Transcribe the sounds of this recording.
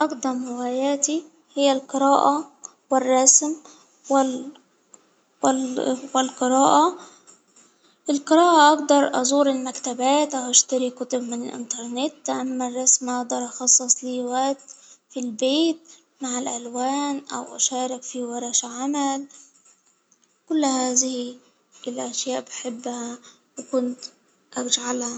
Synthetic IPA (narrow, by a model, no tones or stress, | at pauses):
ʔɑqd̪ˤɑmɪwaːjaːt̪i | hɪjːalqɨɾaːʔa | wɪrˤːɑsm | wɪ | wɪlqɨɾaːʔa | ʔɪlqɨɾaːʔaʔɑɡd̪ɑɾˤʔɑ̰zˤuːɾɪlmakt̪abaːt̪ʔawʔaʃt̪aɾikʊt̪ʊbmɪnɪlʔɪ̰nt̪ɑɾˤnɪt̪ːʔamːarˤːɑsmʔɑɡd̪ɑɾˤʔɑxɑsˤːɨsˤliːwaʔ̚t̪filbeːt̪̚ | maʕɪlʔalwaːnʔa̰wʔa̰ʃaːɾɪkfiwɑɾˤɑʃaʕamal | kʊlːhaːzɪh | ɪlʔaʃjaːʔbɪħɪbːha | wɪkʊnt̪ | ʔad͡ʒʕalha